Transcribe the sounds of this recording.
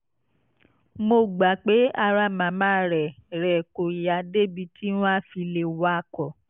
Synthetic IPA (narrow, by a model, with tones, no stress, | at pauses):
mo˧˨ɡ͡ba˨k͡pe˨˦a˧ɾa˦˨mã˨˦mã˦ɾɛ˨ɾɛ˨ko˨ja˨de˦bi˧tʰi˦w̃ã˦˨fi˧le˨wa˦˧kɔ˨